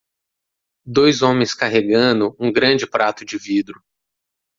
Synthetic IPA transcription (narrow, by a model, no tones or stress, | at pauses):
d̪ojzõmẽj̃skaɦeɡɐ̃nd̪ʊũɡɾɐ̃d͡ʒɪpɾat̪ʊd͡ʒɪvid̪ɾʊ